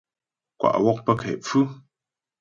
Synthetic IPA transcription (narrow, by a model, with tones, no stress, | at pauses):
kwa̰˨ʔwɔ˦k̚pə˦kʰɛ̰˨p͡fʉ˦